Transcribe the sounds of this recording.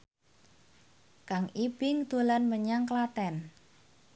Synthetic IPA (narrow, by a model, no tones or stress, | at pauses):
kaŋib̥ɪŋd̪̥o̤lanməɲaŋklat̪ɛn